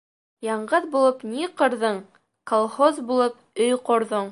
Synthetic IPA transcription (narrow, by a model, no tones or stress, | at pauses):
jɑɴɢɤðbulˠɤpniqɤ̆ɾðɤɴ | kolˠχozbulˠɤp̚ | ɵjqŏɾðoɴ